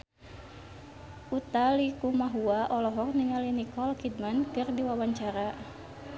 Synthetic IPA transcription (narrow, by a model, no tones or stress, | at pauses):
ʔut̪alikumaɦuaʔɔlɔɦɔk̚niŋalinikɔlkid̚mankɨrdiwawaɲt͡ʃaɾa